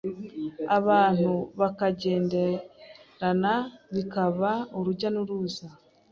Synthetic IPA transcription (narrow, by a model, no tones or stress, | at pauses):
aβaːn̥uβakaɟe̞ːndeɾanaβikaβauɾuɟanuɾuːza